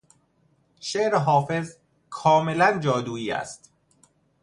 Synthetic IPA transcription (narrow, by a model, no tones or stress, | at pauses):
ʃeʔɾeɦɒːfe̞z | kʰɒːme̞lænd͡ʒɒːd̪uːiːæ̰st̪